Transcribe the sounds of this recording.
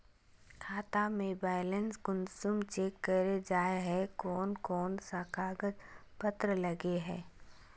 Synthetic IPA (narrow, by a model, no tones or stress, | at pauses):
kʰaːt̪amẽbaːɪlənsɡʊnsʊmt͡ʃeːkːəɾed͡ʒaːeɦɛkɔːnkɔːnsakaːɡət̪pət̪ɾəlɐɡeɦɛ̃ː